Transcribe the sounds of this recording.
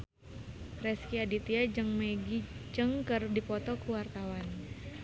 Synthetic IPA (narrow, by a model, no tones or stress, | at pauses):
rɛskiadit̪iad͡ʒɨŋmeɡid͡ʒɨŋkərdipɔt̪ɔkuwart̪awan